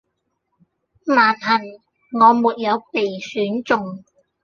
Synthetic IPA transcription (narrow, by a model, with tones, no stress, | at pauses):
maː˨˩nhɐ˨˩n | ŋɔː˨˧muː˨t̚jɐ˨˧wpe˨jsyː˨˥nt͡sʊ˨ŋ